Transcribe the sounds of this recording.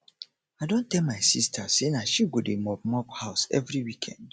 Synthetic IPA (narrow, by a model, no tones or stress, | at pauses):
aɪdõntɛlmaɪsḭstʰasenaʃiɡodemɔp̚mɔphaʊsɛ̰vɹiwikʰɛ̰̃nd̥